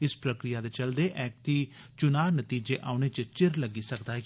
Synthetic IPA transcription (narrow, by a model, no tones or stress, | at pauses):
ɪspɾəkɾijaːd̪eːt͡ʃəld̪eːʔɛːk̚t̪iːt͡ʃʊnaːnət̪iːd͡ʒeːʔaːʊñeːt͡ʃət͡ʃɪɾləɡiːsəkd̪aː